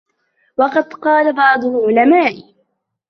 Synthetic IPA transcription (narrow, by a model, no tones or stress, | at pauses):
wɑqɑd̪qɑːlabɑʕd̪ˤʊʔʊlamaːʔ